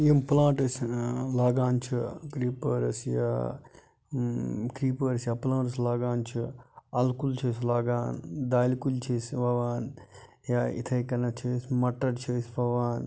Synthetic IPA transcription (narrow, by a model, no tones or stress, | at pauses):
jimplãːʈɐslaːɡaːnt͡ʃʰɨkɾiːpɐːɾɐsja̰ | kɾiːpɐːɾɐsjaplaːɳʈɐslaːɡaːnt͡ʃʰuɐlkult͡ʃʰeːslaːɡaːnd̪aːlikult͡ʃʰeːsʋɐʋaːn | jaḭt̪ʰɐjkɐnɐt͡ʃʰesmɐʈːɐɾt͡ʃʰeːsʋɐʋaːn